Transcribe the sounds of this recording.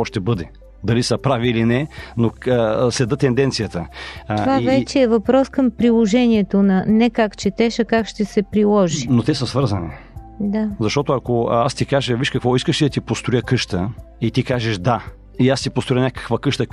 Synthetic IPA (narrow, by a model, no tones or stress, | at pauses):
ɔʃt̪ɛbɤd̪ɛ | d̪ɐlisəpɾaviːlinɛnoslɛd̪ət̪ɛnd̪ɛnt̪sijət̪əovavɛt͡ʃɛːvɐpɾɔskəmpɾilˠoʒɛniɛt̪onɐnɛkakt͡ʃɛt̪ɛʃɐkakʃt̪ɛsɛpɾilˠɔʒinot̪ɛsəsvɤɾzɐni | d̪azɐʃt̪ɔt̪ʊɐkoast̪ikaʒəviʃkɐkvɔiskəʃid̪ɐt̪ipost̪ɾojəkɤʃt̪ə | it̪ikaʒɛʃd̪a | iast̪ipost̪ɾʊjənʲakə̥kvəkɤʃt̪ə